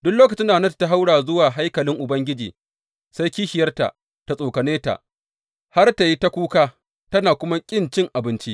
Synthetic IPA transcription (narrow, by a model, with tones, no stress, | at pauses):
dʊ˦kloː˦k̬ɐ˨t͡ʃɪ˦ndaː˨nɐ˦ttːa˦ɦa˦wɽaː˨zʊ˦waː˨ɦa˦jkɐ˨lɪ˦ŋʔʊ˨bɐ˦ŋɡʲɪ˦d͡ʒḭː˨ | sa˦jkʲiː˦ʃɪ˨jɐ˦rta̰˨ʔ | ta˨sʼoː˨kɐ˨neː˦ta̰˨ʔ | ha˦rta˨ji˦ta˦kʷuː˦kaː˦ | tɐ˦naː˨kʷʊ˦ma˦kʲʼɪ˦˨nt͡ʃɪ˦ŋʔa˨bɪ˦nt͡ʃi˦ʔ